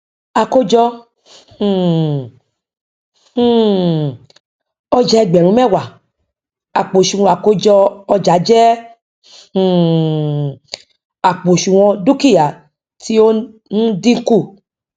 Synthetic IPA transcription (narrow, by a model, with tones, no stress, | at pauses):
a˨ko˧d͡ʒɔ̃˧˨˦ | ɔ˧d͡ʒɛ˧ɡ͡bɛ˨ɾũ˨˦mɛ˦˨wa˨ | a˨k͡po˨ʃũ˨wɔ̃˧a˨ko˧d͡ʒɔ˧ɔ˧d͡ʒa˨˦d͡ʒɛ˦˨ | a˨k͡po˨ʃũ˨w̃ɔ̃˧du˦ki˦˨ja˨ | ti˦o˦ | n̩˦di˦ŋ̩˦ku˦˨